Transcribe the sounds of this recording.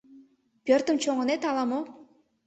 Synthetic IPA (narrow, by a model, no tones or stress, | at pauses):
pʲørt̪əmt͡ɕoŋə̆net̪ɑlˠɑmo